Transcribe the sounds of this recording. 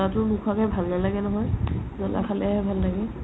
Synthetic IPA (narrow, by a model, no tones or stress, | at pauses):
atʊmukʰwakajbʱalnalaɡɛnɔɦɔjzɔna̰kʰalɛaɦɛbʱalːaɡɛ